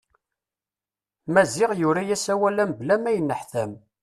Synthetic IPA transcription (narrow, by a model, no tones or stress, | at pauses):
mæzɪʁjʊɾajæsæwælæmblæmæjənːəħθæm